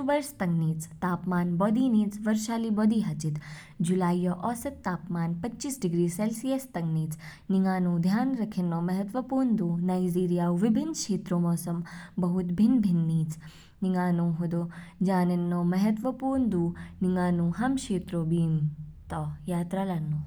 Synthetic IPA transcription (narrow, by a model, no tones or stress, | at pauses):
ubɐɾst̪ɐŋɡniːt͡st̪aːpmaːnbɔːd̪iːniːt͡sʋɐɾʃaːliːbɔːd̪iːɦɐt͡ʃit̪ | d͡ʒulaːjːɔʔɔsɐt̪ːaːpmaːnpɐt͡ʃːiːsɖiɡɾiːselsijɐst̪ɐŋɡniːt͡s | niŋaːnũːd̪ʱjaːnɾɐkʰinːɔːmɐɦɐt̪ʋɐpuːɾɳd̪uːnajd͡ʒiːɾijaːwʋibʱinʃeːt̪ɾoːmɔːsɐmbɐɦut̪bʱinbʱinːiːt͡s | niŋɡaːnoːɦud̪oːd͡ʒaːnɐnːomɐɦɐt̪ʋɐpuːɾnd̪uːniŋɡaːnuɦɐmʃeːt̪ɾoːbiːmt̪ɐjaːt̪ɾaːlanːuː